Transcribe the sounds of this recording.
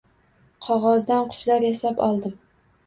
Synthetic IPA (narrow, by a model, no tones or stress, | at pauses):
qʰɒʁɒzd̪anqʰʊ̥ʃlaɾjasapɒ̰lˠd̪ɪm